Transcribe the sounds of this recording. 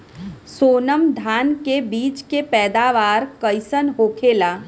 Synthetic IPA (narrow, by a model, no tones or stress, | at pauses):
soːnəmd̪ʱaːnkebiːt͡ʃkepɛːd̪aːʋaːɾkəɪsənɦoːkʰeːlaː